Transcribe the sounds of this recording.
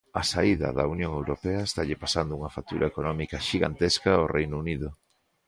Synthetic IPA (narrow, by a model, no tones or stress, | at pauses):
ɐsaiðɐ̰ðɐunjõŋewɾopeɐest̪aʎepasand̪ouŋɐfak̚t̪uɾʔɐekonɔmikɐʃiɣa̰nt̪eskɐorejnʊuniðʊ